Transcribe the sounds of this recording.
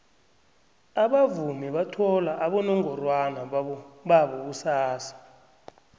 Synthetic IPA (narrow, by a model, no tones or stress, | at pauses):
aɓavumɛɓatʰɔlaʔaɓɔnɔŋɔrwanaɓaɓɔk̬usaːsḁ